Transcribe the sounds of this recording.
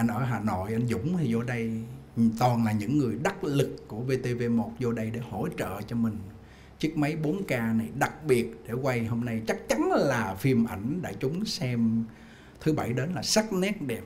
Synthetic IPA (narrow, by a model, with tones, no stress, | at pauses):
ʔa˧jnʔəː˧˩ɦaː˨˩no̰˧˨jʔa˧jnzʊ̰˧˥ŋ͡mt̪ʰi˨˩zo˧ɗə˧jt̪ɔ˨˩nlaː˨˩ɲɨ̰˧˥ŋːɨ˨˩əjɗa˦˥t̚lɨ˨˩kːu˧˩əve˧t̪e˧ve˧mo˨˩t̚zo˧ɗə˧jɗe˧˩ho˧˩t͡ɕə̰ː˧˨t͡ɕɔ˧mï˨˩ŋ̟ | t͡ɕɨ˦˥ək̚mə˨˦jɓo˨˦nkaː˧na˨˩jɗa˨˩k̚ɓi˨˩ət̚ɗe˧˩kwa˧jho˧mna˧jt͡ɕa˦˥k̚t͡ɕa˨˦nlaː˨˩fi˧əmʔa˧˩jŋ̟ɗa̰ː˧˩t͡ɕʊ˨˦ŋ͡msɛ˧m | t̪ʰɨ˨˦ɓa˧˩jɗe˨˦nlaː˨˩sa˦˥t̚nɛ˦˥t̚ɗɛ˨˩p̚